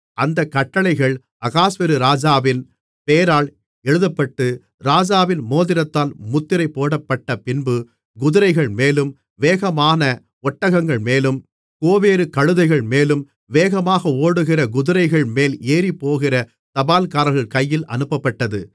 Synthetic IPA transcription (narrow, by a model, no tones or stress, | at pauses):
ʔɐnd̪ɐkːɐʈːɐɭɐɪɣɐɭ | ʔɐɣaːsʋɪɾɯɾaːd͡ʒaːʋɪn | peːɾaːɭ | ɛɻɯðɐpːɐʈːɯ | ɾaːd͡ʒaːʋɪnmoːðɪɾɐt̪ːaːlmʊt̪ːɪɾɐɪpːoːɽɐpːɐʈːɐpɪnbɯ | ɡʊðɯɾɐɪɣɐɭmeːlɯm | ʋeːɣɐmaːnɐ | ɔʈːɐɣɐŋɡɐɭmeːlɯm | koːʋeːɾɯkɐɻɯðɐɪɣɐɭmeːlɯm | ʋeːɣɐmaːɣɐoːɽɯɣɪrɐɡʊðɯɾɐɪɣɐɭmeːleːɾipːoːɣɪrɐ | t̪ɐbaːlkaːɾɐɣɐɭkɐjːɪlʔɐ̰nɯpːɐpːɐʈːɐðɯ